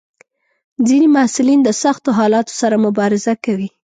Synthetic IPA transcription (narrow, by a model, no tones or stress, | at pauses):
d͡zinimahsɪlind̪əsaxt̪oɦɑlɑt̪o̥saɾamʊbɑɾɪzakawi